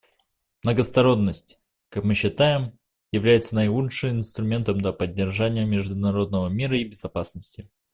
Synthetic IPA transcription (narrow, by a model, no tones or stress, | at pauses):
mnəɡəst̪ɐɾo̞nːəsʲtʲ | kakmɨɕːɪt̪ajɪm | jɪvlʲæjɪt̪sənɐjlˠutʂɨjɪnst̪ɾʊmʲe̞nt̪əmd̪lʲɐpədʲːɪrʐanʲɪjəmʲɪʐd̪ʊnɐɾo̞d̪̚nəvəmʲiɾəibʲɪzɐpasnəsʲtʲɪ